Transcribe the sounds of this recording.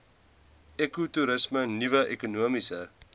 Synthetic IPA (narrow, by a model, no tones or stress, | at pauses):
ekutuɾəsmənivəʔekunuəmisə̰